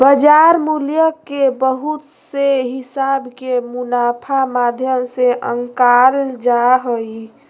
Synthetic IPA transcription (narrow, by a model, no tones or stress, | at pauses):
bəd͡ʒaɾmuljəkːebəɦut̪ | seɦɪsabkemunapʰamad̪ʱjəmseʔəŋkald͡ʒaɦoi